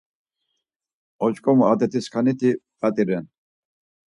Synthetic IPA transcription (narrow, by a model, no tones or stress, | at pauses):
ɔt͡ʃkʼɔmuad̪ɛt̪ʰiskʰanit̪ʰipʼat̪ʼiɾɛn